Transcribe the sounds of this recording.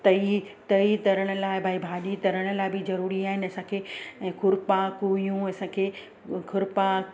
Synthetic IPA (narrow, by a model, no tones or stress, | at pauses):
t̪ɐit̪ɐit̪ɐɾəɽ̃ə̆laːɪbʱaːibʱaːɗit̪ɐɾəɽ̃ʊ̆laːɪbɪzɐɾuːɾiaːɦɪnɐsãːkʰẽːkʰʊɾpakuijũɐsãːkʰeː | kʰʊɾpa